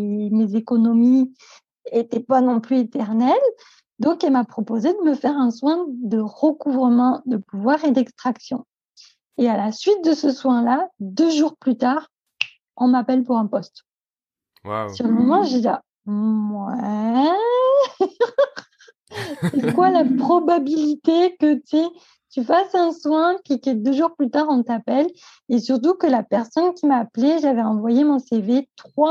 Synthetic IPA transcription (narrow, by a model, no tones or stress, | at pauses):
mezekɔnɔmi | et̪ɛpanɔ̃plyet̪ɛʁnɛl | d̪ɔ̃kɛlmapχɔpozed̪əməfɛʁɛ̃swɛ̃d̪əʁəkuvʁəmɑ̃d̪əpuvwaʁed̪ɛkst̪χaksjɔ̃ | ealasɥit̪̚d̪əsəswɛ̃lad̪øʒuʁplyt̪aʁ | ɔ̃mapɛlpuʁɛ̃pɔst̪ | syʁləmɔmɑ̃ʒila̰ | mwɛ | sɛkwalapχɔbabilit̪ekət̪e | t̪yfasɛ̃swɛ̃kikɛd̪øʒuʁplyt̪aʁɔ̃t̪apɛl | esyʁt̪ukəlapɛʁsɔnkʲimaːplɛʒavɛɑ̃vwajemɔ̃sevet̪χwa